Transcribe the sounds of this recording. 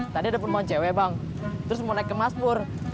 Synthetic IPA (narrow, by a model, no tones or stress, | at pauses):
t̪adiadapanmaɲt͡ʃewebaŋ | t̪ɾʊsmonajkəmaspʊr